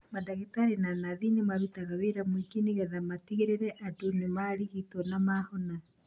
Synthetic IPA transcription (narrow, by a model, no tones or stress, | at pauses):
madaɣetaɾenanaðinemaɾutaɣaweɾamwekeniɣɛðamatiɣeɾeɾɛʔatonemaɾiɣitɔnamahɔna